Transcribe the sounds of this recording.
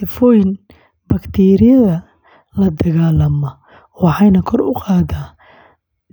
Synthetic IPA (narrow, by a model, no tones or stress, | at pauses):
sɪfɔːjn | bɐkt̪ʰiːɾɪjɐðɐ | lɐd̪ɐɣaːlɐmɔ | wɑħɑjnɐkʰɔrʊqɑːd̪aː